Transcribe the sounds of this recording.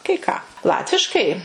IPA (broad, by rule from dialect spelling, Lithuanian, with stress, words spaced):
kɐɪ ˈkɑː ˈlˠɑːtʲʋʲɪʃkɐɪ